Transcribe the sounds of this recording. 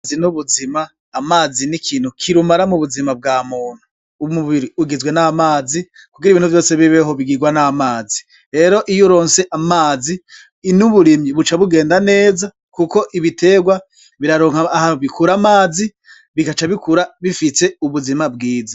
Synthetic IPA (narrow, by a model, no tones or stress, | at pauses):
zinuβuzimaː | maːzinikʰiːn̥hukʰiɾumaɾamuβuzimab̚ɡaːmuːn̥hu | umuβiɾiuɡizɡwe̞namaːzi | kuɡiɾiβiːnhuvjo̞ːseβiβeɦoβiɡiɡwanamaːzi | ɾe̞ɾo̞ʔijuɾo̞ːnse̞ʔamaːzi | nuβuɾimɲiβut͡ʃaβuɡe̞ːndane̞ːza | kuko̞ʔiβite̞ːɡwa | βiɾaɾoːŋhaːhanuβikuɾamaːzi | βikat͡ʃaβikuɾaβifise̞uβuzimab̚ɡiːza